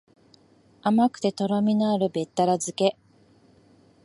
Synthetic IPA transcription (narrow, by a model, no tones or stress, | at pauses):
amakɯ̟̥t̪e̞t̪o̞ɾamʲinaːɾɯ̟be̞t̪ːaɾazɨke̞